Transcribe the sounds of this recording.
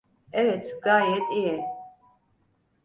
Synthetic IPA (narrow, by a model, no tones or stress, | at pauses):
ɛɣɛt̪ʰɡaːjɛt̪ʼiɛ